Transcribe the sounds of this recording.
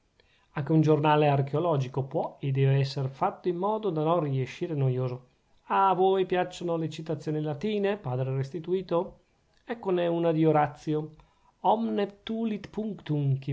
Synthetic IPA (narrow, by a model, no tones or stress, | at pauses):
aŋk̟eund͡ʒornaːlearkeolɔːd͡ʒikopwɔed̪ːɛːveɛsːeɾfat̪ːoimːɔːd̪od̪anonrieʃiːɾenojoːzo | avoːjpjat͡ʃːonolet͡ʃit̪at̪sːjoːnilat̪iːnepaːd̪ɾerest̪it̪uiːt̪o | ɛkːonɛunad̪ioɾat̪sːjo | ɔmnet̪uːlit̪puŋkt̪uŋki